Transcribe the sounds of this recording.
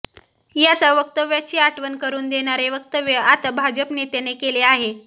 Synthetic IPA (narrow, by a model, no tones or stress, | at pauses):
jat͡saʋək̚t̪əʋjat͡ɕiːaʈʰʋənkəɾuːnd̪eɽ̃aɾeʋək̚t̪əʋjəat̪abʱad͡ʑəpnet̪jenekeleaɦe